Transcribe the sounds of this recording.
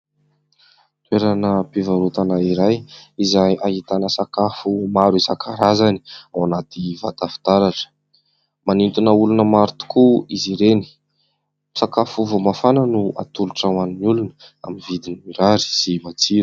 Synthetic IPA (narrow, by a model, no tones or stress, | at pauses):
t̪weɾanəpivaɾut̪anaiɾajizajʔaɦit̪anəsakafumaɾuizakʰaɾazani̥awanat̪ivat̪afi̥t̪aɾaʈ͡ʂə̥ | manint̪unəulunəmaɾt̪u̥kuiziɾeni̥ | sakafuvomafananua̰t̪uluʈ͡ʂawaninulunəa̰mivid̪inimiɾaɾi̥simat͡siɾu̥